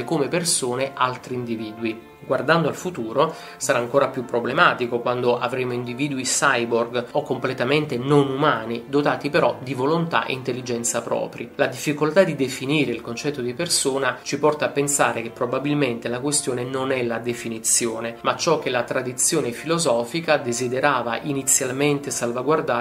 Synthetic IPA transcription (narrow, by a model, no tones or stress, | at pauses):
komepersoːnealt̪ɾiːnd̪iviːd̪wi | ɡward̪and̪oalfut̪uːɾo | saɾaːŋkoːɾapjupːɾoblemaːt̪ikokwand̪oʔavɾeːmoind̪iviːd̪uisajborɡokːomplet̪ament̪enonumaːnid̪ot̪aːt̪ipeɾɔd̪ivolont̪a̰ʔḛint̪elːid͡ʒɛnt̪sapɾɔ̰ːpɾilad̪ifːikolt̪ad̪id̪efiniːɾeilkont͡ʃɛt̪ːod̪ipersoːnat͡ʃipɔrt̪aːpːensaːɾek̟epːɾobabilment̪elakwest̪joːnenonɛlad̪efinit̪sjoːnemat͡ʃɔk̟ːelat̪ɾad̪it̪sːjoːnefilozɔːfikad̪ezid̪eɾaːva̰ʔinit̪sːjalment̪esalvaɡward̪a